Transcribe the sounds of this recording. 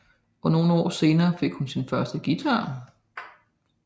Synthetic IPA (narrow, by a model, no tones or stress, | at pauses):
ʔɒ̽no̝ːn̩ɒ̰ːse̝ːnɐːfe̝ɡ̥hunsinfɶɐsd̥əɡ̥it͡sʰɑ̈ː